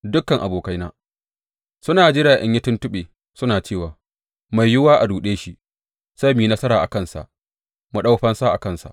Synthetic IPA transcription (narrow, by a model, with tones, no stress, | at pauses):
dʊ˦kːɐ˨ŋʔa˨boː˨ka˦jna̰ː˦ | sʊ˦naː˨d͡ʒɪ˦ɽaː˨ʔɛ̰˦ɲjɪ˦tʊ˦ntʊ˦ɓeː˨ | sʊ˦naː˨t͡ʃeː˦˨waː˨ | ma˨jːʊ˦waː˦ʔa˨duː˨ɗeː˦ʃi˦ʔ | sa˦jmiː˨nɐ˦sɐ˦ɾaː˨ʔa̰˨kɐ˦nsa̰˨ʔ | mu˨ɗa˦wɸɐ˦nsa˦ʔa˨kɐ˦nsa̰˨ʔ